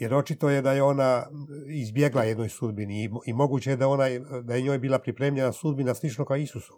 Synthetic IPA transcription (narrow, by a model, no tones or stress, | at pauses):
je̞ɾo̞t͡ʃit̪o̞je̞d̪ajeo̞naizbje̞ɡlajed̪no̞jsud̪biniimo̞ɡuːt͡ɕejed̪ao̞najd̪ajeɲo̞ːjbiːlapɾipɾeːmʎenasud̪binaslˠit͡ʃno̞kaoisuso̥